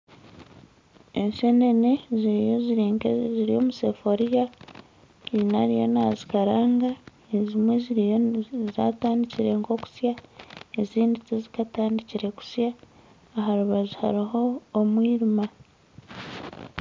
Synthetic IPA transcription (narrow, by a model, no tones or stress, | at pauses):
e̞ɲʃene̞ne̞ziɾijo̞ziɾiːŋkezziɾijo̞̰muse̞fo̞ɾija | inaɾijo̞̰nazikaɾaːŋɡa | ezimwe̞zi | za̰ːtaːndiciɾe̞ŋko̞ku̥sjaeziːndit͡sizikataːndiciɾe̞ku̥sjaː | ɦaɾuβazuha̰ɾiɦo̞ːmwiːɾima